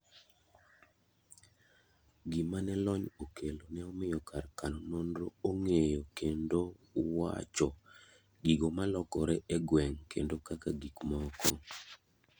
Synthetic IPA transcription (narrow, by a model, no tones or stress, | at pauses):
ɡimanɛlɔɲokʰelonɛɔmɪjɔkarkanonondɾooŋejokendowa̰t͡ʃɔ | ɡiɡomalɔkɔɾɛʔɛɡwɛŋkʰḛndokakaɡikmɔkɔ